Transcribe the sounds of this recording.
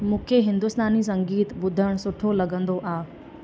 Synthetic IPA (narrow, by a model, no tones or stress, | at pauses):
mũːkʰeɦɪ̃nd̪ʊst̪aːnis̬ɐ̃ŋɡiːt̪bʊd̪ʱəɽ̃sʊʈʰolɐɠə̃nd̪oʔaː